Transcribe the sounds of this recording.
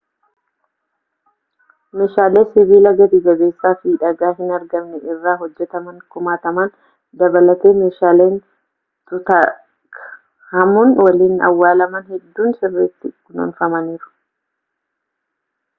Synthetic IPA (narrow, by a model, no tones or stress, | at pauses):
meːʃaːleːsɪβiːlɐɡɐd̪ɪɡɐɡe̞ːsːaːfiːᶑɐɡaːɦɪnɐɾɡɐmnɛʔɪrːaːɦɔd͡ʒːɛt̪ɐmɐŋkʊmaːt̪ɐmɐn | d̪ɐbɐlɐt̪e̞ːmeːʃaːleːn | t̪ʊt̪ɐ | kʰ | hɐmʊnwɐliːnɐ̰wːaːlɐmɐnhɛd̪ːuːnsɪrːɛt̪ːɪkʊnɐ̰nfɐmɐniːɾʊ̥